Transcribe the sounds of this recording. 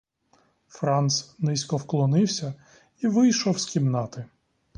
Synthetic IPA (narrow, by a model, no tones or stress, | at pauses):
fɾɑnt̪snɪsʲkɔwklˠɔnɪwsʲɐ | iʋɪjʃɔwskʲimnɑt̪ɪ